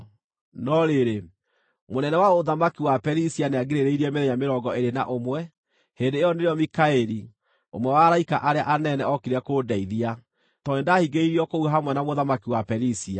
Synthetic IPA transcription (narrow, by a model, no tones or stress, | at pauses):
nɔɾeɾe | monɛnɛwaoðamakiwapɛɾisianeaɡeɾeɾeiɾiɛmeðɛɲameɾɔɡɔeɾena̰ʔomwɛ | hendeːjɔneɾeɔmikaeɾi | o̰mwɛwaːɾaikaʔaɾeaʔanɛnɛɔkeɾɛkoːdaiðia | tɔnendahiɡeiɾiɔkouɦamwɛnamoðamakiwapɛɾisia